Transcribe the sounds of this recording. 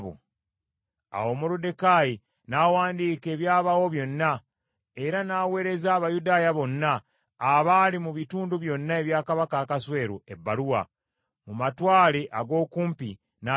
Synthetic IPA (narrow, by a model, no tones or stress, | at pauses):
βṵ | a̰wo̞muɾude̞kaːji | naːwaːndiːke̞ːβjaːβawo̞βjo̞nːa | e̞ɾanaːwe̞ːɾe̞zaːβajudaːjaβo̞nːaː | βalimuβituːnduβjo̞nːae̞βjaːkaβakakaswe̞ːɾue̞bːaluwa̰ | mumatwaːle̞ʔaɡo̞ːkuːmpi | na